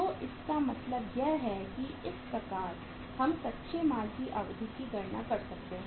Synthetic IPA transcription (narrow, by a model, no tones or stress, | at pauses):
t̪oːʔɪskamɐt̪ləbjɛɦɦɛkiɪspɾɐkaːɾ | hɐmsɐtːʃʰemaːlkiʔɐʋd̪ʱikiɡɐɾɳakɐɾsɐk̚t̪eɦɛ̃